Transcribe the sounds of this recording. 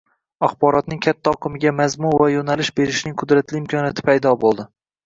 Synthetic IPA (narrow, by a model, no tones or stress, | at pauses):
aχbɒɾɒt̪̚nɪŋkʲʰat̪ʰːaɒqʰɨmɪɡʲamazmʊnvajonalɪʃbe̞ɾɪʃnɪŋqʰʊd̪ɾat̪lɪɪmkʰɒnjat̪ʰɪ̥pʰajd̪ɒbolˠd̪ɪ